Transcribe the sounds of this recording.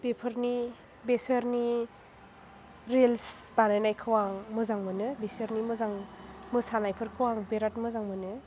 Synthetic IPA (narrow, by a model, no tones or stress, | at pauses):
bepʰɯɾni | besəɾni | ɾels | banajnajkʰɯwaŋmɯzaŋmɯnɯbesəɾnimɯzaŋmɯsanajpʰɯɾkʰɯwaŋbeɾatmɯzaŋmɯnɯ